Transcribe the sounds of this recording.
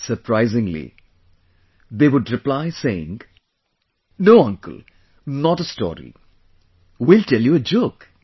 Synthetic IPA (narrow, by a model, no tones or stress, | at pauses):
səɾpʰɾaɪzɪ̃ŋlḭ | d̪eːʋʊɖɾɪplaɪseɪɪ̰̃ŋ | noːʌ̃ŋkə̰lˠ | nɔʈəstɔ̰ːɾḭ | wiltɛljuəd͡ʒok